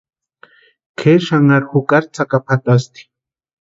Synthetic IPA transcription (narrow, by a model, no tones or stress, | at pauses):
kʰeʃaŋaɾhukaɾt͡sakapʰat̪ast̪i̥